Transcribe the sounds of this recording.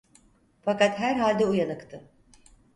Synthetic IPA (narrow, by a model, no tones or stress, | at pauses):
fakat̪ɦæɾɦalʲd̪ɛujanɯkt̪ʰɯ